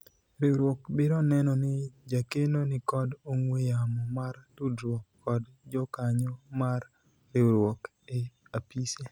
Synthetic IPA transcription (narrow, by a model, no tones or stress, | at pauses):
ɾewɾwɔkbɪɾɔnɛnɔnɪd͡ʒakenonɪkɔdoŋwejamɔmartudɾwɔkːɔd | d͡ʒɔkaɲɔmar | ɾewɾwɔk | eapise